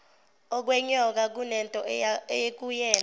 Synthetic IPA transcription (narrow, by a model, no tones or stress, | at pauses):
ɔk̬wɛɲɔk̬ak̬unɛntʼɔejek̬ujɛːna